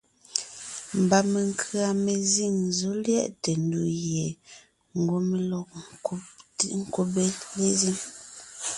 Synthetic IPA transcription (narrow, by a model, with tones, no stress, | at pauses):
m̩˨ba˨me˨ŋkʰɰa˨me˨zi˦˨ŋzo˦ljɛ̰˦ʔte˨n˦du˨ɣje˨ | ŋ˨ɡwo˨˦me˨lɔ˨k̚ | ŋ̩˦ko˨be˦le˦zi˦m